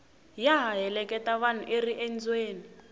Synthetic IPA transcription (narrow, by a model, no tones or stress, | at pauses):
jaɦaɦɛlɛkɛtaβan̤uʔeriʔend͡zweːni